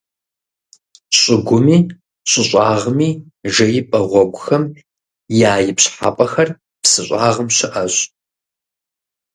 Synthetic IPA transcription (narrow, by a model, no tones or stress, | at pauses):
ɕʼɪɡʷʊmiː | ɕʼɪɕʼɑːʁəmiː | ʒɐjɪpʼɐʁʷɔɡʷʊxɐm | jaːjɪpɕħa̰ːpʼɐxɐr | psɨɕʷʼaːʁəmɕɪʔɐɕʼ